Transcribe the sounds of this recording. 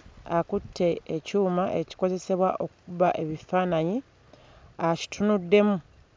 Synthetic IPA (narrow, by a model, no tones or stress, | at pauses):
akutʰːe̞ːcuːmaʔeci̥ko̞ze̞se̞βwaʔo̞k̚uβaʔe̞βifaːnaɲi | aci̥tʰunudːe̞mu